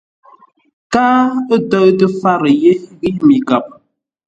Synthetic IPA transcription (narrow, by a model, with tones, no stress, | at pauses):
kaː˦ə˦tɔ˦tə˦fa˦ɾə˨je˦ɣi˦mi˨ɡa˨p̚